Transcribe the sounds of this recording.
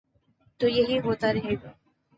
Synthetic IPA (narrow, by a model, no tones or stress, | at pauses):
t̪ujeɦiːɦot̪aɾɦeɡ